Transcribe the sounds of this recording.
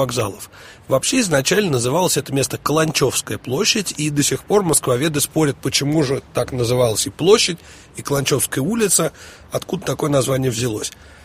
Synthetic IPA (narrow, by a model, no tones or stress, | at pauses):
aɡza̰lˠəf | vɐpɕeɪznɐt͡ɕælʲnənəzɨvalˠəsʲɛt̪əmʲe̞st̪əkəlˠɐnʲt͡ɕo̞fskəjəplˠo̞ɕːɪtʲid̪əsʲɪxpo̞rməskvɐvʲe̞d̪ɨspo̞ɾʲət̪̚pət͡ɕɪmuʐɨt̪aknəzɨvalˠəsʲɪplˠo̞ɕːɪtʲ | ikəlˠɐnʲt͡ɕo̞fskəjəulʲɪt̪sə | ɐt̪kud̪ət̪ɐko̞jənɐzvanʲɪjəvzʲɪlˠo̞sʲ